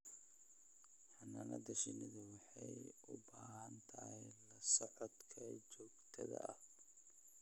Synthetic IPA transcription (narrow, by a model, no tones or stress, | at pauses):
ħɑnanɐd̪ɐʃɪnɪðʊwɑħɑjʊbaːɦɐnt̪ʰɐjlɐsɔʕɔd̪kʰɐt͡ʃɔːɡt̪ʰɐðɐ̰ʔɐ̰h